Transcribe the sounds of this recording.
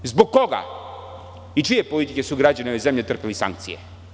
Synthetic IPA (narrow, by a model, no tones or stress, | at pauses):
zboɡko̞ɡa̰ | it͡ʃijepolit̪ikesuɡɾad͡ʑaneʋezemʎet̪r̩pelisa̰ŋk̚t̪sḭjḛ